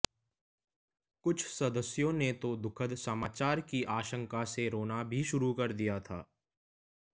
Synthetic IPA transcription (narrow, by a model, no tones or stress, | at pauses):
kʊt͡ʃʰsɐd̪əsjõnet̪od̪ʊkʰəd̪səmaːt͡ʃaːɾkiʔaːʃə̃ŋkaseɾoːnabʱiʃʊɾukɐɾd̪ijat̪ʰa̰ː